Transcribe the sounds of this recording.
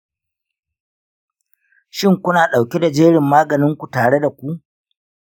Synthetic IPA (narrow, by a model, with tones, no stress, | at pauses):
ʃɪ˦ŋkʷʊ˦naː˨ɗa˨wkʲe˦da˨d͡ʒeː˦ɽɪ˨mːaː˦ɡɐ˨nɪ˦ŋkʷu˨taː˨ɽe˦da˨kʷu˦ʔ